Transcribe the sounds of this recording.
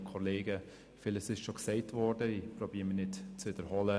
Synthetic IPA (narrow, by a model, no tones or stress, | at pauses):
kʰɔleːɡə | fɪləsɪʃʃoksɛɪtvɔɾdəipɾɔbiːmənɪtt͡svɪd̥əɾhɔlə